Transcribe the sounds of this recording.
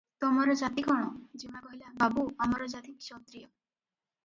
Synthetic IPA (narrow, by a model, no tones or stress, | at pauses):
t̪ɔmɔɾɔd͡ʒat̪ikɔɽ̃ɔd͡ʒimakɔɦilababuamɔɾɔd͡ʒat̪iksɔt̪ɾijɔ